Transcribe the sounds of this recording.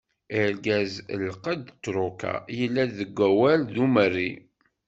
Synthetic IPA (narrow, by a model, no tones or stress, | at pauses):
əɾɡæzə̰lqəd̪t̪ːɾuka̰jəlːæðəɡʷːæwælðumərːi